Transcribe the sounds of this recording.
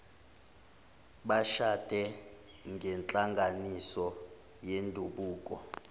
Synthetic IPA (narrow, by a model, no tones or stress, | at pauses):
ɓaʃatʼɛ | ŋɡʱɛnt͡ɬʼaŋɡʱanisɔ | jendʱuɓuːk̬ʼɔ̰